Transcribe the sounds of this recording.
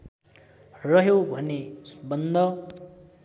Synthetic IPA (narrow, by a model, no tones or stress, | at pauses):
rʌɦjobʱʌnesbʌnd̪ʱʌ